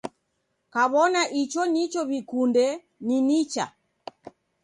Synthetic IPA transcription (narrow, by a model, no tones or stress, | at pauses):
kaβɔnaʔit͡ʃɔnit͡ʃɔβikundɛ | ninit͡ʃa̰